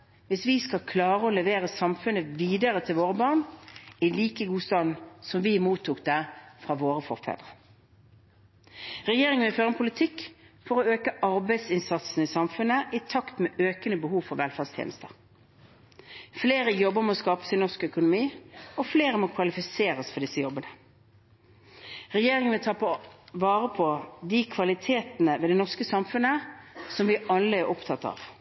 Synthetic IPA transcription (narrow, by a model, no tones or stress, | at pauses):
ʋɪsʋɪskɑkʰlɑːʁəɔlɛʋeːʁəsɑmfʉnːəʋiːd̪əʁət̪ʰɪlʋoːʁəbɑːʁɳɪliːkəɡuːst̪ɑnsɔmʋɪmuːt̪ʰːuk̚d̪æfʁɑʋoːʁəfɔ̰ʁfæ̰d̪ʁə | ʁɛjeːʁɪŋənføːʁɛnpʰʊlɪt̪ʰɪkːfɔʁɔøːkəʔɑɾbæɪd̪sɪnsɑt̪snəɪsɑmfʉnəʔɪt̪ʰɑkt̪mɛʔøːkənəbəhuːʋfɔʁʋɛlfɑʁst̪ʰjḛːnəst̪əʁ | fleːʁəjɔbːəʁmɔskɑːpə̥sɪnɔʁskœkʊnʊmiːɔfleːʁəmɔkʰʋɑlɪfɪseːʁəsfɔʁd̪ɪsːəjɔbːənə | ʁɛjeːʁɪŋənʋɪlt̪ʰɑːpʰɔʋɑːʁəpʰɔd̪ɪkʰʋɑlɪt̪ʰeːt̪nəʋeːd̪ɛnɔʁskəsɑmfʉnəsɔmʋɪʔɑlːəæʁʔɔpt̪ʰɑt̪ːɑ̰ːʋ